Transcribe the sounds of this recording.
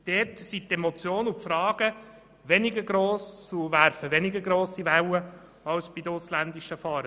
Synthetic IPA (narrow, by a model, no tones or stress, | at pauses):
d̥ɛɾtsit̪ɛmɔt͡sjoːnʊpfɾɑːɡ̥ə | ʋɛnɪɡəɾɡɾoːsuʋæɾfəʋɛnɪɡəɾɡɾoːsiʋɛwə | ɑwsb̥id̪əʊslænd̪iʃəfɑːɾə